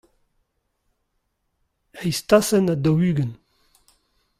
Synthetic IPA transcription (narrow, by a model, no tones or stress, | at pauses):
ɛjst̪asɛnad̪ɔwyːɡən